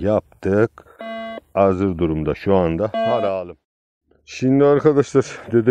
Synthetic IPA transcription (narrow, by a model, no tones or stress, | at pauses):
jap̚t̪ʰɯk | azɯɾd̪uɾumd̪aʃuand̪ahaɾaːlˠɯm | ʃind̪iaɾkʰad̪aʃlˠaɾd̪e̞d̪i